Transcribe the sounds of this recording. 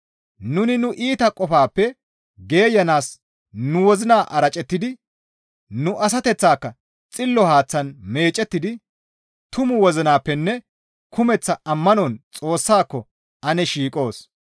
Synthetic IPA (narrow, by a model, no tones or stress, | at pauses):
nʊnɪnʊʔiːt̪ɐkʼɔfaːpːɛ | ɡe̞ːjɐnaːs | nʊwɔzɪnaːʔɐɾɐt͡ʃʼɛt̪ːɪd̪ɪ | nʊʔɐs̬ɐt̪ɛt͡sːaːkːɐ | t͡sʼɪlːɔhaːt͡sːɐnme̞ːt͡ʃʼːɛt̪ːɪd̪ɪ | t̪ʊmʊwɔzɪnaːpːɛnːɛ | kʰʊmɛt͡sːɐʔɐmːɐnɔnt͡sʼo̞ːsːaːkːɔ | ɐnɛʃiːkʼo̞ːs